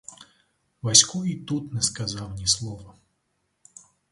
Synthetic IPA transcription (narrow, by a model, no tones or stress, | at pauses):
ʋɐsʲkuit̪ut̪nɛskɐzɑwnʲislˠɔʋɐ